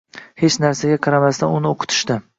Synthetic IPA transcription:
he̞t͡ʃnaɾsaɡʲaqʰɑɾamast̪ʰanʊnɪoqʰʊ̥t̪ʰɪ̥ʃt̪ɪ

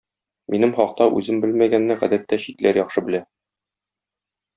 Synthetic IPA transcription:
mʔinɘmχɒq̚t̪ɑʔʉ̰zɘmbɘlmæɡænːɘʁæ̰d̪æt̪ːæɕit̪læɾjɒχʃɤbɘ̆læ

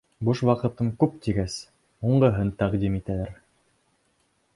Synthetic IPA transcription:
buʃwɑqɤ̆t̪ɤŋkʉp̚t̪iɡæs | uɴɢɤ̆ɦɤnt̪æqd̪imit̪ælæɾ

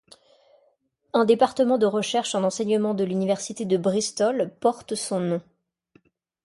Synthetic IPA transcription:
ɛ̃d̪epaʁt̪əmɑ̃d̪əʁəʃɛʁʃɑ̃nɑ̃sɛɲəmɑ̃d̪əlynivɛʁsit̪ed̪əbʁist̪ɔlpɔʁt̪sɔ̃nɔ̃

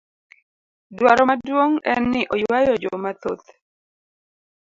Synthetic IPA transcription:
dwaɾɔmadwoŋɛnːɪʔɔjwajɔd͡ʒomat̪o̰t̪

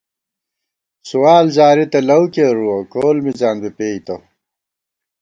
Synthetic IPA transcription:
suwaːlzaːɾit̪ɐlɐwkeːɾuɐkoːlmizaːnbipeːjt̪ɐ

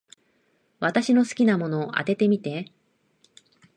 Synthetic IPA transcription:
βat̪aɕino̞sɨ̥kʲinamo̞no̞ːʔa̰t̪e̞t̪e̞mʲit̪e̞

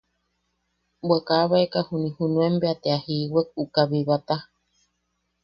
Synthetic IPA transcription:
bʷekaβaekahunĩhunũembeat̪eahiwek̚ukaβiβat̪a

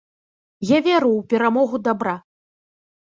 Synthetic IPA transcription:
javʲɛɾuwpʲɛɾamɔɣud̪abɾa

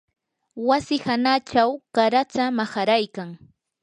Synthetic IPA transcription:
wasɪhanat͡ʃawkaɾat͡samahaɾajkaŋ

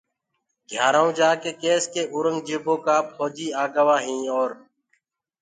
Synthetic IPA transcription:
ɡʱjaːɾaõːd͡ʒaːkeːkeːskeːʔʊːɾəŋɡd͡ʒeːbʱõːkaːpʰoːd͡ʒiːaːɡəʋaːɦĩːoːɾ

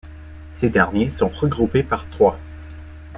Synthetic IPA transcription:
sed̪ɛʁnjesɔ̃ʁəɡʁupepaʁt̪χwa

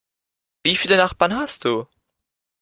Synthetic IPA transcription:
viːfiːlənaχb̥aːɐnɦast̚d̥uː

